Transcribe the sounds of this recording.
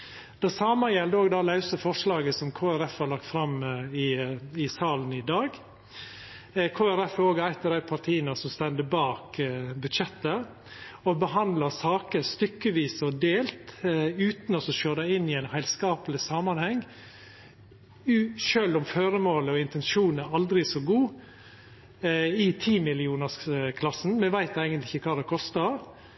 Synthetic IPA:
d̪̥æsɑːməjɛld̪əoːɡd̪ɑːlɑʉsəfɔʂlɑːɡəsɔmkʰoːæɾɛfhɑɾlɑk̚t̪fɾɑmɪɪsɑːlənɪd̪ɑːɡ | kʰoːæɾɛfoːɡæɪt̪əɾæɪpʰɑɾʈ̪ʰiːənəsɔmst̪ɛnd̪əbɑːkbʉd̪ʃɛt̪ːəɾ | ɔbəɦɑnd̪lɑsɑːkəɾst̪ʏkːəʋiːsɔd̪eːlt̪ʉːt̪nɔsɔʃøːd̪æɪɪnːɪæɪnhæɪlskɑːpəlɪsɑmɑnhɛŋː | ʉʃøːlʊmføːɾəmoːləɔɪnt̪ɛnʃuːnæɾɑld̪ɾɪsɔɡuː | ɪt̪ʰiːmɪlɪuːnəskʰlɑsn̩mɛʋæɪt̪æɪɡənt̪ɪçːəkʰɑːd̪ɛkʰɔst̪əɾ

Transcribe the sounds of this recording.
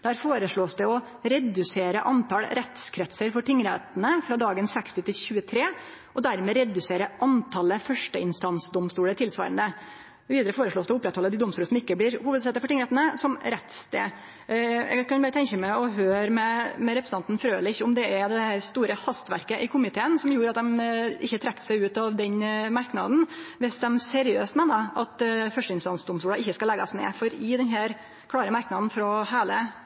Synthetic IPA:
d̪̥æːɾfoːɾəʂɭoːsd̪ɛɔ | ɾɛd̪ʉseːɾəʔɑnt̪ʰɑlɾɛt̪skʰɾɛt̪səɾfɔʈɪŋːɾæt̪ənəfɾɑːd̪ɑːɡənsɛkst̪ɪt̪ʰɪlçʉːət̪ʰɾeː | ʔɔd̪æɾmɛːɾɛd̪ʉseːɾəʔɑnt̪ʰɑlːəfœʂʈəɪnst̪ɑnsd̪ɔmst̪uːlət̪ʰɪlsʋɑ̰ːɾə̰nd̪ə | ʋiːd̪əɾəfoːɾəʂɭoːsd̪ɛɔʊpːɾɛt̪hɔlːəd̪ɪd̪ʊmst̪uːləsɔmɪkːəblɪɾhuːʋəd̪sɛt̪əɾfɔʈɪŋɾɛt̪nəsɔmɾɛt̪st̪ḛː | jɛ̰ɡkʰɑnbɑɾət̪ʰɛɲçəmæɔɦøːɾmɛmɛɾɛpɾsəɑnt̪n̩fɾøːlɪçʊmd̪ɛæɾd̪ɛhæɾst̪uːɾəhɑst̪ʋæ̰ɾkəʔɪkʰʊmɪt̪ʰeːənsɔmjuːɾɑt̪̚d̪ɛmʔɪçːət̪ʰɾɛkt̪sæɪʉːt̪ɑʋd̪ɛnmɑɾknɑ̰d̪n̩ʋɪsd̪ɛmsɛɾɪøːst̪meːnəʔɑt̪fœʂʈəɪnst̪ɑnsd̪ʊmst̪uːlɑʔɪçːəskɑlɛɡɑ̰snḛːfɔɾɪd̪ɛnɦæːɾ | kʰɽɑːɾəmɑɾknɑd̪n̩fɾɔhæːlə

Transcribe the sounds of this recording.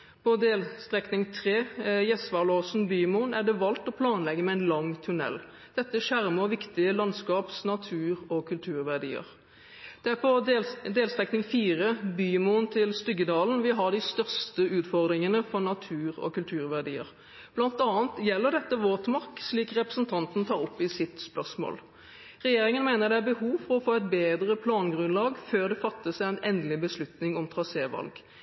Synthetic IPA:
pʰɔd̪eːlst̪ʁɛknɪŋt̪ʰʁeːjɛsʋɑʁloːsn̩byːmuːnæɖɛʋɑlt̪ɔpʰlɑːnlɛɡːəmɛæɪnlɑŋt̪ʰʉnɛ̰lː | d̪̥ɛt̪ːəʂæʁməɔʋɪkt̪ɪəlɑnskɑːpsnɑt̪ʰʉːʁɔkʰʉlt̪ʰʉːʁʋæʁɖḭːə̰ʁ | d̪̥ɛæpʰɔd̪eːlst̪ʁɛknɪŋfiːʁəbyːmunt̪ʰɪlst̪ʏɡəd̪ɑːln̩ʋɪɦɑɖɪst̪œʁst̪əʉːt̪fɔʁd̪ɾʁɪŋənəfɔnɑt̪ʰʉːʁɔ̰kʉlt̪ʰʉːʁʋæʁɖḭːə̰ʁ | b̥lɑnt̪ɑːənt̪jɛlːəʁɖ̪ɛt̪ːəʋoːt̪mɑʁksliːkʁɛpʁəsnt̪ʰɑnt̪n̩t̪ʰɑːʁɔpːɪsɪt̪spœʁsmo̰ːl | ʁɛjeːʁɪŋənmeːnəʁd̪ɛæbəhuːʋfɔʁɔfoːɛt̪̚beːd̪ʁəpʰlɑːnɡʁʉnlɑːɡføːʁd̪ɛfɑt̪ːəsæɪæɪnɛnd̪lɪbəslʉt̪nɪŋɔmt̪ʰʁɑseːʋɑ̰lɡ

